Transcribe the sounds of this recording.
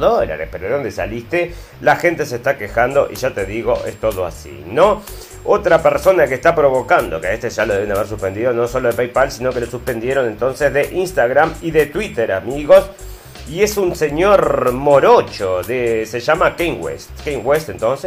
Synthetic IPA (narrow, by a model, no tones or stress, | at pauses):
ðoeɾa̰ðḛpeɾoðond̪esa̰list̪e | laxe̞nt̪e̞seːst̪akexand̪o̞̰ʔḭʒat̪eðiɣo̞ʔest̪o̞ðo̞a̰sḭno | ot̪ɾapeɾso̞nakeːst̪apɾo̞βo̞kand̪o̞̰keaest̪eʒaloðeenaβeɾsuspe̞nd̪iðo̞no̞so̞lo̞ðepejpalsino̞kelosuspe̞nd̪je̞ɾone̞nt̪o̞nsezðeʔinst̪aɣɾamiðet̪wit̪eɾamiɣo̞s | ie̞sunse̞ɲoɾmoɾot͡ʃoðeseʒamakejŋɡwḛst̪kejŋwest̪ent̪o̞nse